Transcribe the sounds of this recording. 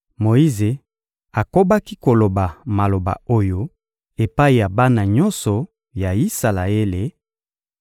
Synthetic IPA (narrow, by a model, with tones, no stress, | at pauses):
mo˨i˦ze˨ | a˨ko˦ba˦ki˦ko˨lo˨ba˨ma˨lo˨ba̰˨o˦jo˦ | e˨pa˦i˨ja˨ba˦na˨ɲɔ˦nsɔ˨ | ja˨i˦sa˨la˨e˦le˨